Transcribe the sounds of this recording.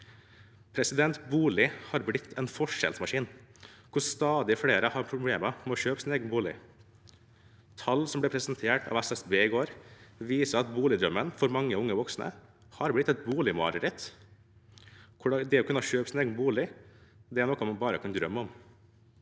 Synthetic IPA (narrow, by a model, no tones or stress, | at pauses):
pʰɾɛsɪd̪ɛnt̪buːlɪhɑɾblɪt̪ʰːɛnfɔʂɛ̰lsmɑʂiːnkʰʊst̪ɑːd̪ɪfɽeːɾəhɑɾpʰɾʊbleːməmɛɔʃøːpəsɪneːɡənbuːlɪ̰ | t̪ʰɑlsɔmblɛpʰɾɛsənt̪ʰeːʈʰɑ̰ːʋæsɛsbeːɪɡoːɾʋiːsəɑt̪buːlɪd̪ɾœmːənfɔɾmɑŋːəʊŋːəʋɔksnə̰ | hɑɾblɪt̪ːɛt̪̚buːlɪmɑ̰ːɾəɾɪt̪ | kʰʊɖd̪ɛɔːkʉnɑʃøːpəsɪneːɡənbuːlɪd̪ɛæɳɔkɔmɑnbɑːɾəkʰɑnd̪ɾœmːəɔm